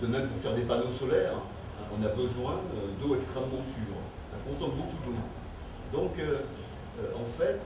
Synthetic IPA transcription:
d̪̥əmɛmpuʁfɛʁd̪epanosɔlɛːʁ̰ | ʔɔ̃nabəzwɛ̃ød̪oɛkst̪χɛmːɑ̃pʰyːʁ | sakɔ̃sɔmbokud̪o | d̪ɔ̃kø | ɑ̃fɛt̪

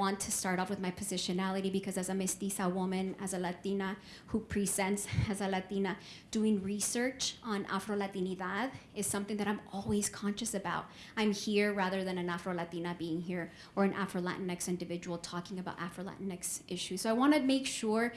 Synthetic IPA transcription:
ɑ̃ntʰɨstɑɹɾɔpwɨðmaɪpʰɨzɪʃɨnælˠəɾibɨkʰʌzɨzɨmɨstisəwʊmɨ̃nɨ̰zɨlæt̪inə | hupʰɹ̥izɛ̃ntsɨzəlæt̪inə | d̥uɪ̃ŋɹisɜ˞t͡ʃn̩ʔæ̰fɹolæt̪iniðaðɨz̥sʌ̃mθɪ̃ŋðɨɾãɪ̃mɔlˠwiz̥kʰɑ̃nʃɨsɨbaʊɾ̚ | ãɪ̃mhiɹɹæðə˞ðɨ̃nɨ̃næfɹolæt̪inəbiɪ̃ŋɦiɹ | ə˞ɨ̃nʔæ̰fɹolæ̰ʔn̩ɨksɪ̃ndɨvɪd͡ʒəwl̩ˠtʰɔkɪ̃ŋɨbaʊɾʔæ̰fɹəlæ̰ʔn̩ɨksʔɪʃʉsoʊaɪwɑ̃nɨmeɪkʃʊɹ

